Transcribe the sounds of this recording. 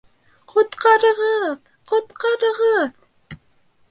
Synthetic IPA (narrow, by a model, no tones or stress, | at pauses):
qʰot̪qɑɾəʁəð | qot̪qɑɾəʁəð